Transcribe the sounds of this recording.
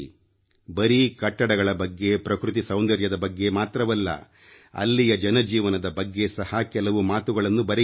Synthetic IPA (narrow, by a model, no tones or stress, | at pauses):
bɐɾikɐʈːɐɽɐɡɐɭɐbɐɡːe̞pɾɐkɾut̪̬isɐwnd̪ɐɾjɐd̪ɐbɐɡːe̞maːt̪ɾɐʋɐlːɐ̰ | ɐ̰lːijɐd͡ʒɐnɐd͡ʒiːʋɐnɐd̪ɐbɐɡːe̞sɐhɐkɛlɐʋumaːt̪uɡɐɭɐnːubɐɾe